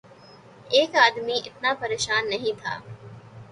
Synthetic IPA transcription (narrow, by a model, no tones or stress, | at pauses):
eːkaːd̪miʔɪt̪napɐɾeːʃaːnːɐɦĩt̪ʰa̰ː